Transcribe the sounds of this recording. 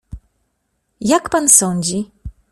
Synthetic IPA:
jakpansɔɲd͡ʑi

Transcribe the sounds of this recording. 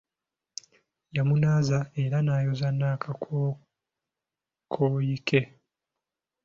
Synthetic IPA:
jamunaːzae̞ɾanaːjozanːaːkʰao | kʰoːjike

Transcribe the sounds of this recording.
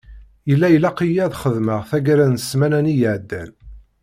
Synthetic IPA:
jəlːæjəlæqijæðχəðməʁθæɡɾænəsmænænijəʕd̪ːæ̰n

